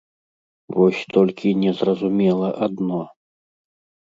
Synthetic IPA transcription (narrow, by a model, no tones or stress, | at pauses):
vɔsʲt̪ɔlʲkʲʰinʲɛzrɐzumʲɛlˠɐʔad̪nɔ